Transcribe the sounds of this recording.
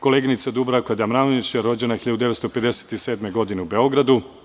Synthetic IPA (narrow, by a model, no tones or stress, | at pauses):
ko̞leɡinit̪sad̪ubɾakoed̪amɾanit͡ɕaɾo̞d͡ʑe̞naxiʎad̪ud̪e̞ʋest̪ope̞d̪e̞se̥t̪ise̞ːd̪me̞ɡo̞d̪ineube̞o̞ɡɾad̪u